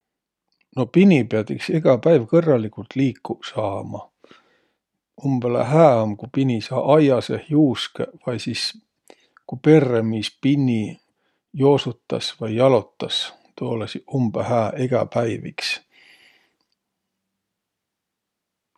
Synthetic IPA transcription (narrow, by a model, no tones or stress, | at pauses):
no̞pinʲipeɑd̪ikseɡ̥ɑpæjvkɤrːɑlːikult̪liːkːusɑːmɑ̰ | umb̥elḛɦæːomkupinʲisɑːʔɑjɑsehjuːskḛvɑjsis | kupe̞rːemispinːi | jo̞ːsut̪ːˑɑ̰svɑjːɑlo̞t̪ːˑɑs | t̪oːlesiumb̥ehæːʔeɡ̥ɑ̰pæjvḭks